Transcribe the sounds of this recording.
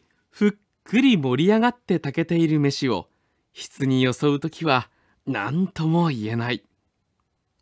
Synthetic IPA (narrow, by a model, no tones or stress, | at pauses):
ɸɯ̟kʰːɯ̟ɾʲimo̞ɾʲiaɡat̪ːe̞t̪ake̞t̪e̞iɾɯ̟me̞ɕio̞̰ | çi̥t͡sɨɲ̟ijo̞so̞ɯ̟t̪o̞kʲiβa | nã̰nt̪o̞mo̞ie̞nai